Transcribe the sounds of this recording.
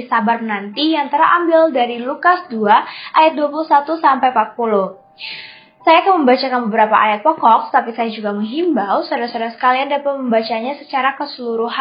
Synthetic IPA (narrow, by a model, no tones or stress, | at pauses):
sabarnant̪ijaŋt̪əɾa̰mbɪldaɾilukasduaʔajat̪̚duapulusat̪usampajpat̪̚puluh | sajaːkanməmbat͡ʃakanbəbəɾapa̰ʔajat̪̚pɔkɔk̪̚ə̥t̪apisajad͡ʒuɡaməŋɦimbawsadasadasə̥kaliandapat̪̚məmbat͡ʃaɲasət͡ʃaɾakəsəluɾuɦa